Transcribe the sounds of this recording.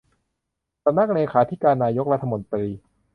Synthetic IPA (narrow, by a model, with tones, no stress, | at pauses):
sa˧mna˦˥˩k̚neː˧kʰaː˩˦t̪ʰi˦˥kaː˧nːaː˧jo˦˥k̚ɾa˦˥t̪ʰːa˧mo˧nt̪ɾiː˧